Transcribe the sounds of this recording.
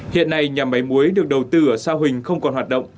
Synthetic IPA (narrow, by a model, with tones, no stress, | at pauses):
hḭ˧˨ənːa˧jɲa˨˩ma˨˦jmu˨˦əjɗɨ˨˩ək̚ɗə˨˩wt̪ɨ˧ʔəː˧˩saː˧wɦï˨˩ŋ̟xə˧wŋ͡mkɔ˨˩nɦwaː˨˩t̚ɗə̰˧˨wŋ͡m